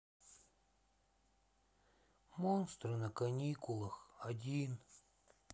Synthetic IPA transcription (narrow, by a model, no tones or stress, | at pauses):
monst̪ɾɨnɐkɐnʲikʊlˠəxɐdʲin